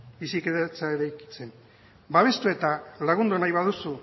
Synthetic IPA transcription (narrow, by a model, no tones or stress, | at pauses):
bisiketat͡saeɾajki̥t͡se̞n | baβ̞e̞st̪ue̞t̪alaɣ̞und̪unajβaðusu